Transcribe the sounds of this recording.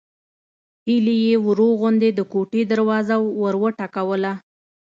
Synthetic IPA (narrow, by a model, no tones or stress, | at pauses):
hilijewɾoɣʊnd̪ed̪əkoʈed̪əɾwɑzawːəɾwəʈakawəla